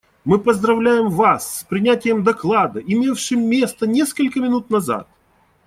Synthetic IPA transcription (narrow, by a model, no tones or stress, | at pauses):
mɨpəzd̪ɾɐvlʲæjɪmvasːpɾʲɪnʲætʲɪjəmd̪ɐklˠad̪əʔɪmʲe̞fʂɨmːʲest̪ənʲe̞skəlʲkəmʲɪnut̪nɐza̰t̪̚